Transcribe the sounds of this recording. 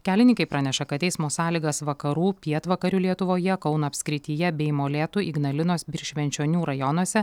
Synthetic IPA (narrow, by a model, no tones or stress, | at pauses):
kʲæːlʲɪnʲɪŋkɐɪpɾɑnʲɛʃɐkɐt̪ʲɛɪsmoːsɑːlʲiːɡɐsʋɐkɐɾuːpʲiɛt̪ʋɐkɐɾʲuːlʲiɛt̪ʊʋoːjɛkɒʊnɐːpʲsʲkɾʲɪt̪ʲijɛbʲɛɪmoːlʲeːt̪uʔiɡnɐlʲɪnoːsbʲɪɾʃʲʋʲɛnʲt͡ʃʲoːnʲuːɾɐjɔnuɔsʲɛ